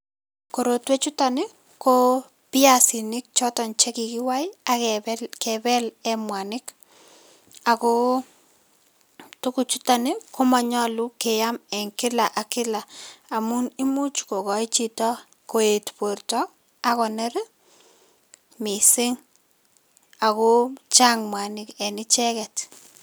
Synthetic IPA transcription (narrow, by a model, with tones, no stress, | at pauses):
ko˨ɾo˨twe˦t͡ʃu˦ta˨nɪ˦ | ko˦ | pɪ˦a˦si˨nɪ˦k̚t͡ʃɔ˦tɔ˨nt͡ʃe˦ki˨ki˦wa˦ja˨kɛbɛ˦lɛ˦mwa˨nɪ˦k | a˨ko˦ | tu˦ku˦t͡ʃu˦ta˨nɪ˦ko˦ma˨ɲɔ˦lu˦ke˨ja˦mɛ˨ŋkɪla˨ʔa˨kɪ˦laː˨mu˦ni˦mu˦t͡ʃko˨kɔ˨it͡ʃi˦tɔ˦ | ko˨e˨tpo˨rtɔ | a˦kɔ˨nɛ˦ɾ | mi˨sɪ˦ŋ | a˨ko˦t͡ʃa˦ŋmwa˨nɪkɛ˨nɪ˦t͡ʃɛ˦kɛ˨t